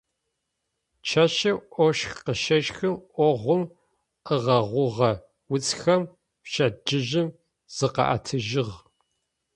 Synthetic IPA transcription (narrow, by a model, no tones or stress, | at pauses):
t͡ʃʰɐʃɐʔʷɔʃxqəʃɐʃxɨmʔʷɔʁʷʊm | əʁɐʁʷʊʁɐ | wʊt͡sʰxɐm | pʃɐd͡ʒɪʒɪm | z̥ɨqɑ̰ʔa̰tʰɨʒɪʁ